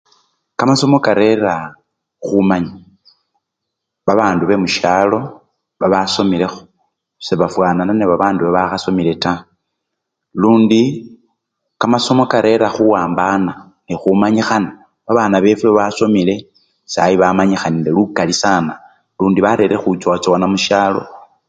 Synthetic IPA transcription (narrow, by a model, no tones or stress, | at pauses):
kamaso̞mo̞kaɾe̞ɾa | xumaɲi | βaβaːnduβe̞muʃjalo̞ | βaβaso̞mile̞xo̥ | seβafwaːnananeβaβaːnduβeβaxaso̞mile̞ta | luːndi | kamaso̞mo̞kaɾʔe̞ɾaxuwaːmbana | nixumaɲixana | βaβaːnaβe̞fuβaso̞mile̞ | sa̰jiβamaɲixanindelukalisana | luːndiβaɾe̞ɾe̞xut͡ʃwat͡sowanamuʃjaːlo̞̰